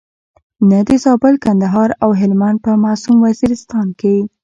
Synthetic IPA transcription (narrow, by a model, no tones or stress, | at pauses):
nad̪əzɑbɪlkand̪aɦɑɾawɦɪlmaɳɖ̚pəmɑsumwaziɾɪst̪ɑnke